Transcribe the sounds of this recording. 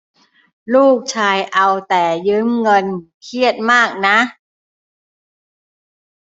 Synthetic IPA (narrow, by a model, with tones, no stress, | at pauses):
luː˥˩k̚t͡ɕʰaː˧jʔa˧wt̪ɛː˨˩jɯ˦˥mŋɤ˧n | kʰi˥˩ət̪̚maː˥˩k̚na˦˥ʔ